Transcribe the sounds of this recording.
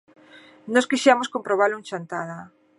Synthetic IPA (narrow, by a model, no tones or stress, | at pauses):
nɔskiʃeamoskompɾoβ̞aɾluŋt͡ʃant̪aða